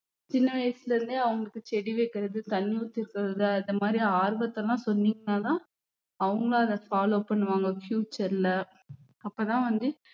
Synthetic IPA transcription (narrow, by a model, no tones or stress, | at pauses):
t͡ʃɪnːɐʋɐjsɪlɐɾɯnd̪ɯɐʋɐŋɡɐɭɯkːɯt͡ʃɛɽiʋɐɪkːɪɾɐðɯt̪ɐnɪjuːt̪ːɪɾɯkːɐɾɐðɯɐnðɐmaːd̪ɾiaːɾɯbɐt̪ːɐlːãːsɔnːiːŋɡɐnaːt̪ãː | ɐʋɐŋɡɐɭãɐðɐfaːloːpɐɳːɯʋaːŋɡɐfjuːt͡ʃːɐɾɪlɐ | ɐpːɐːt̪ãːʋɐnd̪ɯ